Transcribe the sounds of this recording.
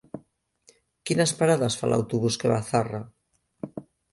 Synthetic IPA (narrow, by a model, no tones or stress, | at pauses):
kinaspaɾaðasfa̰lʔa̰wt̪uβuskeβaθara